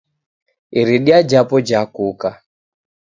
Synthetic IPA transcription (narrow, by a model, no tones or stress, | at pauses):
iɾiɗiad͡ʒapɔd͡ʒakuka